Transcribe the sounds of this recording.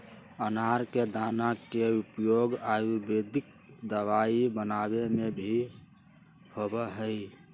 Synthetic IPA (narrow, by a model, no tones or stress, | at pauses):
ənaɾked̪anakeupjoɡajubed̪ik̚ | d̪əʋaibənabemebʱi | hobɛɦəj